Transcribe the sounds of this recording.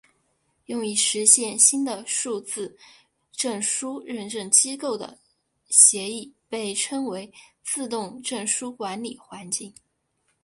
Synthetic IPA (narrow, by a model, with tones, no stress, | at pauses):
jʊ˥˧ŋi˥˩ʂɻ̩˧˥ɕjɛ˥˩nɕi˥nd̪ə˨ʂu˥˧t͡sɹ̩˥˧ | ʈ͡ʂɤ˥˩ŋʂu˥ɻə˥˧nʈ͡ʂɤ˥˩ŋt͡ɕi˥ko˥˩ʊd̪ə̰˩ | ɕjɛ˧˥i˥˩pe˥˩ɪʈ͡ʂʰɤ˥ŋwe˧˥ɪt͡sʰɹ̩˥˧t̪̬ʊ˥˧ŋʈ͡ʂɤ˥˩ŋʂu˥kwa˧˥nli˨˩xwa˧˥nt͡ɕi˥˩ŋ